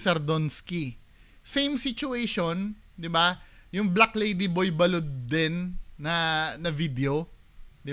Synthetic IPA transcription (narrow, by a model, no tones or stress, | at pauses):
sɐɾd̪onski | sejmsit͡ʃʊejʃon | d̪ɪbajʊŋblaklejd̪ibojbɐlod̪ːɛnːɐnɐvid̪ɛo | d̪ɪ